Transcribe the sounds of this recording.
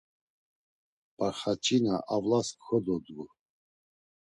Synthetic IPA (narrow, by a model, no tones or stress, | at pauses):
pʼaɾχat͡ʃʰʼinaʔavlaskxɔd̪ɔd̪ɡu